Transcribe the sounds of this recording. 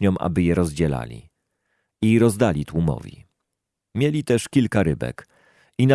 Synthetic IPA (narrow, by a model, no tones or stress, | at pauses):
ɲɔmʔa̰bɘjɛɾɔzd͡ʑɛla̰lʲḭ | iɾɔzd̪alʲit̪wumɔ̰vʲḭ | mʲjelʲit̪ɛʂkʲilkaɾɘbɛ̰k | ina